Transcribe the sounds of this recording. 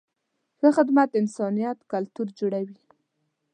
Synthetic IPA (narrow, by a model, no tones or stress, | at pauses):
xəxɪd̪mat̪ɪnsɑnijat̪kalt̪uɾd͡ʒoɽawi